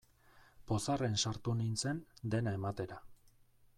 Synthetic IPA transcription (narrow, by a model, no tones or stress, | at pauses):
po̞sare̞nsaɾt̪unint͡se̞nd̪e̞nae̞mat̪e̞ɾa